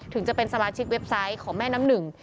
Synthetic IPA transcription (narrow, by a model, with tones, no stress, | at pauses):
t̪ʰɯ˩˦ŋt͡ɕa˨˩pe˧nsa˧maː˧t͡ɕʰi˦˥k̚we˦˥p̚sa˦˥jkʰɔː˩˦ŋmɛː˥˩na˦˥mnɯ˨˩ŋ